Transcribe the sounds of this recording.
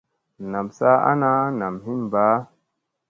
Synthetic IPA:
na˨msa˦a̰˦na˦na˨mhi˦nba˨˦

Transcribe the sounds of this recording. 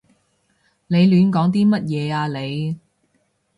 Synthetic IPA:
le˨˧jlyː˨˧nkɔː˨˥ŋt̪̬iː˥mɐ˥t̚jɛː˨˧aː˧le˨˧j

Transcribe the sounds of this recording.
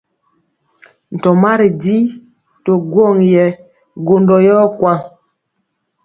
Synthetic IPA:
n̩˨tɔ˨ma˦ɾi˨di˦ | to˨ɡwɔ˦˨ŋjɛ˨ | ɡo˨ndɔ˨jɔ˦kwa˦˨ŋ

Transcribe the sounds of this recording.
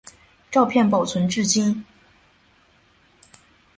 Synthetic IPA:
ʈ͡ʂɑ˥˧ʊpʰjɛ˥˩npɑ˨˩ʊt͡sʰwə˧˥nʈ͡ʂɻ̩˥˩t͡ɕi˥n

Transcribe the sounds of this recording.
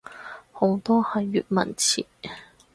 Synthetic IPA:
ho˨˥wt̪ɔː˥hɐ˨jːyː˨t̚mɐ̰˨˩nt͡sʰḭː˨˩

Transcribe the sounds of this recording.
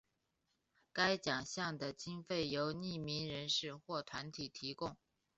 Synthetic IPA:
ka˥ɪt͡ɕjɑ˨˩ŋɕjɑ˥˩ŋd̪ə˩t͡ɕi˥nfe˥˩ɪjo˧˥ʊni˥˩mi˧˥nɻə˧˥nʂɻ̩˥˧xwɔ˥˩t̪ʰwa˧˥nt̪ʰi˨˩t̪ʰi˧˥kʊ˥˩ŋ

